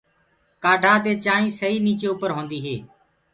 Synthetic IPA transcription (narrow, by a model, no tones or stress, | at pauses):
kaːɖʱaːt̪̬eːt͡ʃaːĩːsəɦiːniːt͡ʃeːʊpəɾɦõːnd̪iːɦeː